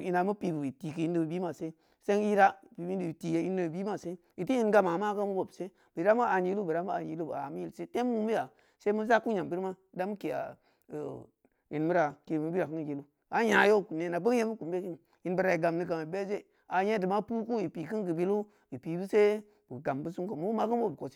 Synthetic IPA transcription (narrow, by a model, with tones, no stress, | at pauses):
i˨na˨mu˦pi˨bu˨i˨ti˨kɨ˨i˦ndɨ˦˨bɨ˨bi˦ma˨se˦ | se˦i˦ɾa˦˨pi˨i˦˨ti˨je˨˦i˦nɨ˦bbi˦ma˦se˦ | i˨ti˦ji˦nɡa˦ma˨ma˦ka˦mu˦bo˨bse˦ | bə˨ɾa˦mu˦a˨d͡ʒi˦lu˦bə˨ɾa˦mu˦a˨ni˨˦lu˦b̰a̰˨mi˦i˦lse˦te˦mwu˦mi˦ja˨ | se˦mu˦za˦ku˦ɲa˨mbi˦ɾa˦da˦m˦ke˨a̰˨ | ji˨nmu˦ɾa˨ke˨mu˨˦bi˦ɾa˨kɨ˦ŋ˨d͡ʒe˦lu˦ | a˨˦ɲa˨jo˦˨ku˨ne˨na˨bə˦ŋ˦je˦mi˦ku˨m˦be˦ki˦n˨ | ji˨nbə˨ɾa˨i˨ɡa˨mni˦ɡa˨ma˨be˦ze˦˨ | a˨je˦dɨ˨ma˦pu˦ku˦i˨pi˨kɨ˦nɡɨ˨bi˦lu˦ | i˨pi˨bu˦se˦ | bu˨ɡa˨mbu˦su˦ko˨mu˦ma˦kɨ˦n˦bo˦bko˨si̥˦